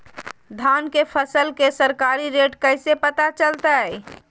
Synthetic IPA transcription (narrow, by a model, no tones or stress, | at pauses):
d̪ʱaːnkepʰəsəlkesəɾkaːɾiɾeːʈkəɪsepət̪at͡ʃəlt̪aɦɛ